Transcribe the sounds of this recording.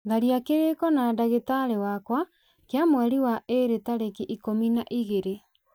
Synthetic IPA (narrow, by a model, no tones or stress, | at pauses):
ɡaɾiakeɾekɔnadaɣetaɾewakwa | keamwɛɾiwaʔeɾetaɾekiʔikominaʔiɣeɾe